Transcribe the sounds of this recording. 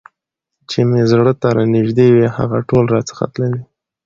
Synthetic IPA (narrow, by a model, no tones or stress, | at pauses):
t͡ʃemezɽət̪aɾanɪʒd̪eweha̰ɣaʈolɾɑt͡sə̥xa̰t̪lawi